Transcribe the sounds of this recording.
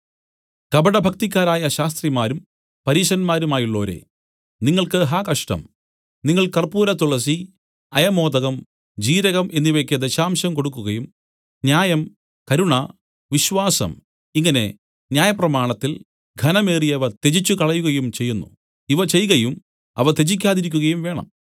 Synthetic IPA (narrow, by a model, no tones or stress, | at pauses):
kɐbɐɽɐbʱɐk̚t̪ikʲːaːɾaːjɐɕaːst̪rimaːɾum | pɐɾiːɕɐnmaːɾumaːjiɭːo̞ːɾe̞̰ | niŋːɐɭkɨɦaːkɐʂʈɐ̰m | niŋːɐɭkɐrpuːɾɐt̪ːuɭɐs̬i | ɐjɐmo̞ːd̪ɐɣɐm | d͡ʑiːɾɐɣɐmʔe̞nːiʋekʲːɐd̪eɕaːmɕɐmko̞ɽukːuɣɐjum | njaːjɐm | kɐɾuɳɐ | ʋiɕʋaːsɐ̰m | iŋːɐne̞̰ | njaːjɐprɐmaːɳɐt̪ːil | ɡʱɐnɐme̞ːrijɐʋɐt̪e̞t͡ɕit͡ɕːukɐɭɐjuɣɐjumt͡ɕe̞jːunːṵ | iʋɐt͡ɕe̞jɣɐjum | ɐ̰ʋɐt̪e̞d͡ʑik̬ʲːaːðiɾikʲːuɣɐjumʋe̞ːɳɐ̰m